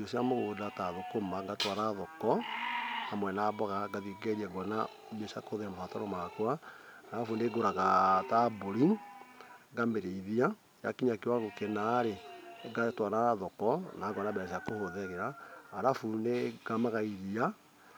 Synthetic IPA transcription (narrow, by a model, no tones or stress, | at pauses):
osjamoɣoːdataðokomaŋɡatwaɾaðɔkɔ | hamwɛnaːbɔɣaɡaðioɡɛɾiaɡɔna | besakohoðeɾamafatɔɾɔmakwaaɾafuneɡoɾaɣataboɾi | ɡameɾeiðia | ja̰kiɲakewaɣokenaɾeɡatwaɾaðɔkɔnaɡɔnabɛɾaʃiakohoðɛɣeɾaːɾafuneɡ̥amaɣaiðia